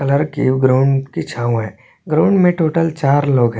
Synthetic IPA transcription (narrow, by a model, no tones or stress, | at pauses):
kɐləɾkiɡɾaʊɳɖkit͡ʃʰaːũɦɛː | ɡɾaːʊɳɖmẽʈoːʈəlt͡ʃaːɾloːɡɦɛ